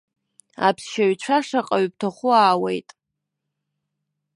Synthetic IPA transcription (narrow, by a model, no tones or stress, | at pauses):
a̰pʰsʃaɥt͡ʃʷʰaʂaqʼaɥp̚tʰaχʷʊaːwejtʼ